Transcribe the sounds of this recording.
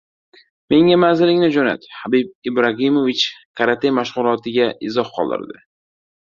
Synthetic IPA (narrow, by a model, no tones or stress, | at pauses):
me̞ŋamanzɪlɪŋnɪd͡ʒona̰t̪habib̚ɪbɾaɦimovɪt͡ʃkʰaɾat̪ʰejmaʃʁʊlˠɒt̪ʰɪɡʲaʔɪzɒhqʰɒ̰lˠd̪ɪ̰ɾd̪ɪ